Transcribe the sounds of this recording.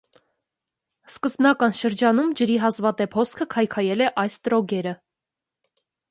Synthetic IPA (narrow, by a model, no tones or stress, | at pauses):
skəzbnɑkɑnʃəɾd͡ʒɑnumd͡ʒəɾiɦɑzvɑt̪ɛpʰhɔskʰəkʰɑjkʰɑjɛlɛʔɑjst̪ɾɔɡɛɾə